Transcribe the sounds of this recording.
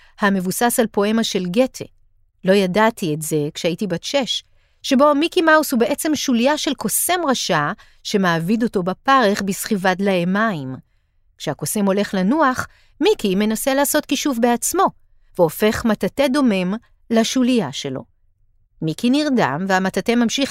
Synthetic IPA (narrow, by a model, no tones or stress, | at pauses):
hame̞vusasalpo̞e̞maʃe̞lɡe̞tʰe̞̰ | lo̞jadatʰietze̞kʃeaitibatʃeʃ | ʃe̞bo̞mikimaushube̞ʔe̞t͡se̞mʃulijaʃe̞lko̞se̞mʁaʃa | ʃe̞maːvido̞to̞bapaʁeχbisχivadlaemaim | kʃeako̞semo̞le̞χlanuaχ | mikime̞naselaːso̞tkiʃuvbe̞at͡smo̞ | veo̞fe̞χmatate̞do̞me̞m | laʃulijaʃe̞lo̞̰ | mikiniʁda̰mveamatate̞mamʃiχ